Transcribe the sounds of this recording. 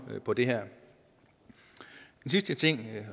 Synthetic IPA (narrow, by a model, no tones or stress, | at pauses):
pʰɒ̽d̥e̝ɦæɐ̰ | d̥ensisd̥ət͡sʰe̝ŋ̰